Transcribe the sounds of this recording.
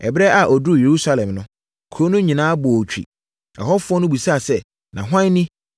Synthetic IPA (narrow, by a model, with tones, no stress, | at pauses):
ɛ̰˨bɾɛ˦ʔa˨ʔɔ˨du˦˨je˨ɾu˦sa˦lɛ̃˨mnʊ̃˦ | kʰo˨˦nʊ̃˦ɲĩ˨nãː˦bɔ˨ɔ˨t͡ɕᶣḭ˨ | a̰˨ɦɔ˦fʊ˦ɔ˦nʊ̃˦bu˨sa˦˨sɛ˦ | nã˨ɦʷã˦nɪ̃˦